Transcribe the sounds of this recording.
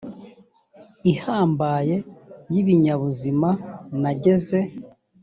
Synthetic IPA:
ihaːmbaːje̞jiβiɲaβuzimanaɟe̞ze̞

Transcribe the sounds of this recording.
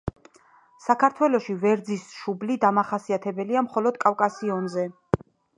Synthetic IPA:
sakʰaɾt̪ʰwɛlɔʃivɛɾd̪zisʃublid̪amaχasiat̪ʰɛbɛliamχɔlɔd̪̚kʼafkʼasiɔnzɛ

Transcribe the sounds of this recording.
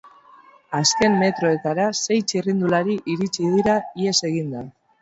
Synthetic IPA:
aske̞mːe̞t̪ɾo̞e̞t̪aɾase̞jt͡ʃirind̪ulaɾiʔiɾit͡ʃið̞iɾaie̞se̞ɣind̪a

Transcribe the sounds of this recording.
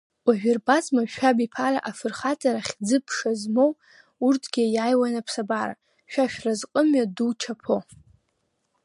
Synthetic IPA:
waʒᶣɪrbat͡sʼmaʃᶣabipʰaɾa̰ʔafɨrχat͡sʼaɾaχʲd͡zɨpʰʂazmow | urtʰɡʲijajwanapʰsabaɾa̰ | ʃᶣaʃᶣrazqʼəmɥadut͡ʃʰapʰo

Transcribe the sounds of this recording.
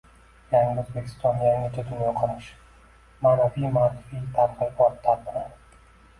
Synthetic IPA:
jaŋɪɵzbekʲʰɪ̥st̪ɒnjaŋɪt͡ʃʰad̪ʊnjɒqʰɑɾaʃ | maːnavijmaːɾɪfijt̪ʰaɾqɨlbɒɾt̪ʰːaɾt̪ʰɨɾad̪

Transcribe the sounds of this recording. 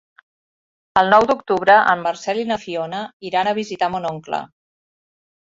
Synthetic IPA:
əlˠnɔwd̪uk̚t̪uβɾəʔəmːəɾsɛlinəfionəiɾanəβ̞izit̪amunoŋklə̰

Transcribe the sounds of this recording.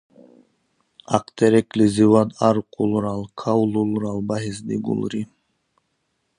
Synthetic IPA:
ɑ̰qt̪ʰɛɾɛkliziwad̪ɑɾqʰulˠɾɑlˠkʰawlˠulˠɾɑlˠbɑɦizd̪iɡṵlˠɾi

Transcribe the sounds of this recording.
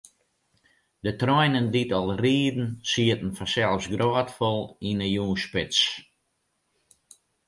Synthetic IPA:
dətrɔjnənditɔlˠriːdn̩siətn̩fasɛlˠfsɡrɔːtfɔlˠinəjuːspɪt͡s

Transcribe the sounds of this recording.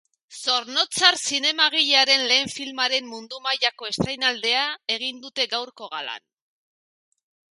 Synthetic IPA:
so̞ɾno̞t͡saɾsine̞maɣ̞iʎeaɾe̞nle̞ːɱfilmaɾe̞mːund̪umaʎako̞e̞st̪ajnald̪e̞ae̞ɣ̞ind̪ut̪e̞ɡawɾko̞ɣala̰n

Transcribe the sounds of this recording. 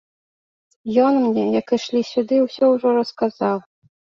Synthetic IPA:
jɔnmnʲɛjɐkɨʂlʲisʲud̪ɨwsʲɔwʐɔɾɐskazaw

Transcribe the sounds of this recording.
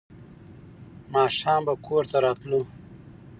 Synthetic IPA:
mɑːʃɑːmbakʰoɾt̪aɾɑːt̪lu

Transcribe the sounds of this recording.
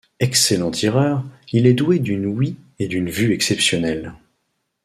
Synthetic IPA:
ɛkselɑ̃t̪ʰiʁœːʁilɛd̪ued̪ynwi | ed̪ynvyɛksɛpsjɔnɛl

